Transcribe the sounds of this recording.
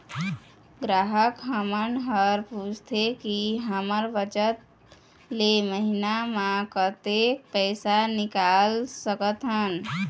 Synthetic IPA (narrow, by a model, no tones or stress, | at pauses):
ɡɾaɦəkɦəmənɖɦəɾpud͡ʒʱt̪ʰekiɦəməɾbət͡ʃət̪̚ | leməɦinamãkət̪ek̚pəɪsanikalsəkət̪ɦən